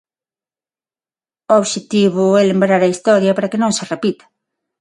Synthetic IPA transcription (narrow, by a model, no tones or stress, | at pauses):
ʊoβʃet̪iβʊɛlembɾaɾɐist̪ɔɾjɐpaɾɐkenõŋserepit̪ḁ